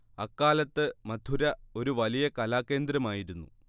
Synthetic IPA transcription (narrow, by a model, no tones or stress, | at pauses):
ɐkːaːlɐt̪ːɨmɐd̪ʱuɾɐo̞ɾuʋɐlijɐkɐlaːkːe̞ːnd̪ɾɐmaːjiɾunːṵ